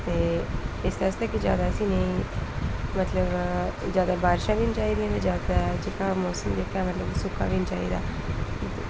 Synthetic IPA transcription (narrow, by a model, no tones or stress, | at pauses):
t̪eːɪsd̪ast̪ɛːkid͡ʒa̰ːd̪aːəsĩːneĩː | mət̪ləbd͡ʒjaːd̪aːbaːɾʃãːʋint͡ʃaːiːd̪iãːd̪eːd͡ʒaːd̪at͡ʃɪkaːmɔːsəmd̪eːkʰaːmət̪ləbsʊkːa̰ːʋint͡ʃa̰ːḭːd̪a̰ː